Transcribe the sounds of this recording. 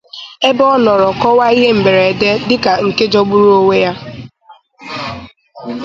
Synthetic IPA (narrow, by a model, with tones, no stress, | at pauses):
e˦bɔ˦nɔ˨ɾɔ˨kɔ˦wa˦i˦ɦe˦m̩˨ɡ͡be˨ɾe˨de˦dɪ˦ka˨ŋ̩˨ke˦d͡ʒɔ˦ɡ͡bu˦ɾu˦o˦we˦ja˦